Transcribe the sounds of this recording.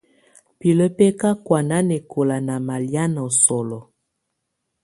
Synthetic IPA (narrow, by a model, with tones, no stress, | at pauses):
pi˨lə˦pe˦ka˦kwa˨na˦ne˨kʰo˨la˨na˨ma˨lja˦nɔ˨sɔ˨lɔ˨